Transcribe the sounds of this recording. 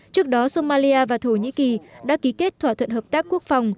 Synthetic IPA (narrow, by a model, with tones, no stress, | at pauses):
t͡ɕɨ˦˥ək̚ɗɔ˨˦so˧maː˧li˧ʔaː˧vaː˨˩t̪ʰo˧˩ɲḭ˧˥ki˨˩ɗa̰ː˧˥ki˨˦ke˦˥t̚t̪ʰwaː˧˩t̪ʰwə̰˧˨nɦəː˨˩p̚t̪aː˦˥kːu˦˥ək̚fa˨˩wŋ͡m